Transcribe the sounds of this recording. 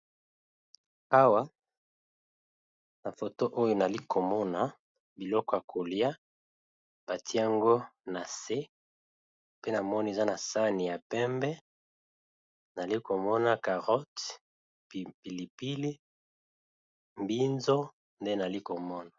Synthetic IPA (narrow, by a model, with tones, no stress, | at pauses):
a˦wa˦ | na˨fo˨to˦ʔo˦jo˨na˨li˦kʰo˨mɔ˦na˨ | bi˨lɔ˦kɔ˦ja˨kʰo˨li˦a˦ | b̥a˨tʰi˦a˦ŋɡo˦na˨se˦ | pe˦na˨mɔ˦ni˨e˨za˦na˨sa˦ni˨ja˨pɛ˦mbɛ˦ | na˨li˦ko˨mɔ˦na˨ka˨ʁɔ˦t | pi˨li˨pi˦li˦ | mbi˦nzo˦ | nde˦na˨li˦ko˨mɔ˦na˨